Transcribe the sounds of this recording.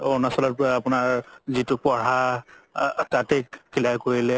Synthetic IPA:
ɔnasɔlɔt̚pʊaapʊnaɹzitʊpɔɹa | tatɛkkilajkoɹilɛ

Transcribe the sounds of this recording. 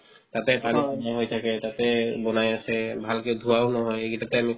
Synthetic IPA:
t̪atɛpaniɔnaɦojtʰakɛt̪at̪ɛbɔnajasɛbʱalked̪ʱuwawnɔɦɔjekitat̪ɛami

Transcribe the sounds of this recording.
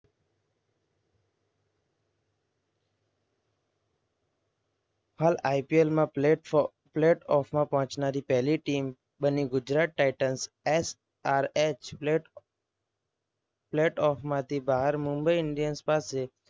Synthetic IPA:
halajpielmã | pleʈɔfmãpɔɦɔ̃t͡ʃnaɾipɛɦliʈim | bəniɡʊd͡ʒɾaʈ̚ːaɪʈəns | es | aɾet͡ʃ | pleʈɔfmãt̪ʰibaɦəɾmʊ̃mbəiɪɳɖijənspase

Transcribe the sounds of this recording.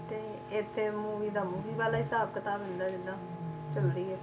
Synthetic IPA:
t̪eː | ɪt̪ʰːeːmuːʋiːd̪aːmuːʋiːʋaːlaːɦɪsaːb̚kət̪aːbɦʊnd̪aːd͡ʒɪd̪ãː | t͡ʃəlɾiːɛː

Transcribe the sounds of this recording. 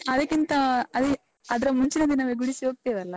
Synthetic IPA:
ɐd̪ɐkʲːint̪ɐɐd̪i | ɐd̪ɐɾɐmuɲt͡ʃinɐd̪inaːʋeɡuɽisiok̚t̪ed̪ɐlːɐ

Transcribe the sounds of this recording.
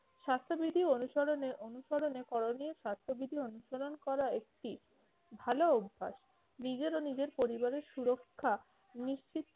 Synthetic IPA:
ʃast̪ʰobid̪ʱionuʃoɾoneʔonuʃoɾonekɔɾonioʃast̪ʰobid̪ʱionuʃoɾonkɔɾaek̚ʈi | bʱaloubʱːa̰ʃ | nid͡ʑeɾonid͡ʑeɾpoɾibaɾeɾʃuɾokʰːa | niʃt͡ɕit̪ː

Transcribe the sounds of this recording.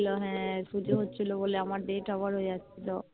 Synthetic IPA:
lɔɦɛ̃sud͡ʒʱoɦotːt͡ʃʰiloboleamaɾɖeʈaʋaɾɦojait̪ɔ

